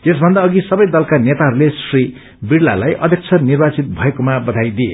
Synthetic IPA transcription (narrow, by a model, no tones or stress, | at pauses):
esbʱʌnd̪aːɡisʌbʌjd̪ʌlkanet̪aɦʌɾulesri | biɽla̰lajʔʌd̪ʱjʌk̚t͡sʰʌnirbat͡sit̪̚bʱʌekomabʌd̪ʱajd̪ie